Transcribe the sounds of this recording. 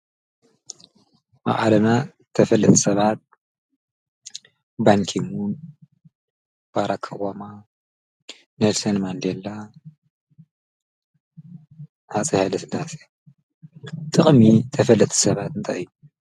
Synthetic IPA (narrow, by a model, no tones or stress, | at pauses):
ma̰ʔʼalɐna | t̪ʰɐfɐlːɨt̪ʼsɐβat̪̚ | baŋkʰimun | b̥aɾakʰːɐwama | nelsɐnmand̪elːa | hat͡sʼihalɐsɨdase̥ | t̪ʼɨχʼmit̪ʰɐfɐlːɐt̪ʼi̥sɐβat̪ɨnt̪ʰa̰ɨjːu